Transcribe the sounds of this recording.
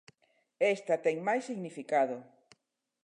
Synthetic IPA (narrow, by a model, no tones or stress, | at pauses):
est̪at̪ɛŋmajsːiɣnifikaðo